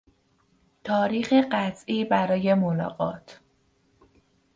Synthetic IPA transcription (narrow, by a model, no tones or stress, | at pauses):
t̪ʰɒːɾiːxeɢæt̪ʰʔiːbæɾɒːje̞molɒ̰ːɣɒ̰ːt̪ʰ